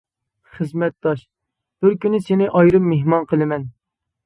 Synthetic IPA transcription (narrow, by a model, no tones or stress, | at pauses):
χəzmɛt̪̚d̪ɑʃ | b̥ɪɾkʲynɪsɪnɪʔɑjɾɨmːeɦmɑnqəlˠɨmɛn